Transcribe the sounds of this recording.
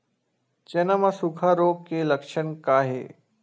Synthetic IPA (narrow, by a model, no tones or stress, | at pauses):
t͡ʃenamasukʰaɾoːɡkeləkʂəɳkaːɦḛ